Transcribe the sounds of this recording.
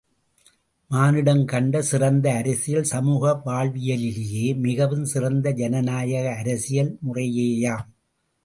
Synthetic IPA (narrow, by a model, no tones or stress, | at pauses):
maːnɪɽɐmkɐɳɖɐsɪrɐnd̪ɐːɾɐsɪjɐlsɐmuːɣɐʋaːɭʋɪjɐlɪlɪjeːmɪɣɐʋɯmsɪrɐnd̪ɐd͡ʒɐnɐnaːjɐɣɐːɾɐsɪjɐlmʊrɐjeːjaːm